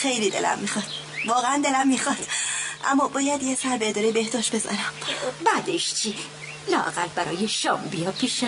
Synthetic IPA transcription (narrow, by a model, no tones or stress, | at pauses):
xe̞jlid̪e̞̰lʔæ̰mːiːxɒd̪̥ | vɒːɣeænd̪e̞læmːixɒd̪̥ʔæ̰mːɒbɒːjæd̪jesæɾbed̪ɒːɾijbehd̪̥ɒːʃt̪be̞zɒ̰ɾæmbæd̪eʃt͡ʃʰiː | lɒːʔæ̰ɣælbæɾɒːjeʃɒ̰ːmbijɒpʰiʃ